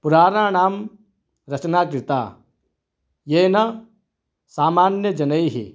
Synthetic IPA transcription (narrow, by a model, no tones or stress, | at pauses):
puɾaːɾaːnaːm | ɾɐt͡ʃnaːkɾɪt̪a̰ː | jeːnɐ | saːmaːnjɐd͡ʒɐnɐiɦḭ